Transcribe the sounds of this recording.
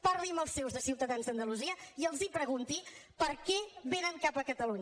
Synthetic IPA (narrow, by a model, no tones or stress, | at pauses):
pəɾliməlˠsːewzðəsiwt̪əðanzd̪ənd̪əluziəiəlˠzipɾəɣ̞unt̪ipəɾkɛβenəŋkapəkət̪əluɲə